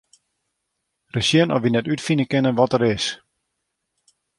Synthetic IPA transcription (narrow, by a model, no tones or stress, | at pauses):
rəsjiənɔ̰fʋinɛtytfinəkɪnənʋɔtəɾɪs